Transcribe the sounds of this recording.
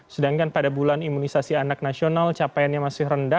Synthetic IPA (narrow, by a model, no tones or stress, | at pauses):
sədaŋkanpadabulanimunisasianak̚nasionalt͡ʃapajanɲamasɪhrəndah